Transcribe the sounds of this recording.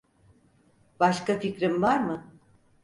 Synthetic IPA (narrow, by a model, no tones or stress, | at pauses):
b̥aʃkaficɾimvaɾmɯ